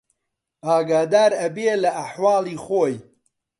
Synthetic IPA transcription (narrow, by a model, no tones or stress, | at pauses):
ʔaːɡaːd̪aːɾɐbelɐʔaħwɑːlˠiːχoːj